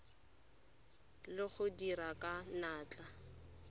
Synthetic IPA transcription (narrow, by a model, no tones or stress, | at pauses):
lɪχʊdiɾakʼanaːt͡ɬʼa